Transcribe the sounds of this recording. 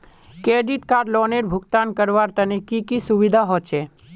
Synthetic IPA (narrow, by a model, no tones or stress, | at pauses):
keːɖiʈ̪kaːɾlɔːneɾbʱʊkt̪aːnkəɾʋaːɾt̪ɐnekikisʊʋid̪ʱaɦɔːt͡ʃeː